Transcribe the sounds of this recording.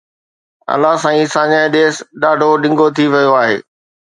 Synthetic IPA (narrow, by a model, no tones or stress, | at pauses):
ɐ̰laɦsãːĩsãːɲãɗeːsɗaːɖʱoɗɪ̃ŋɡot̪ʰiʋɐjoaːɦḛː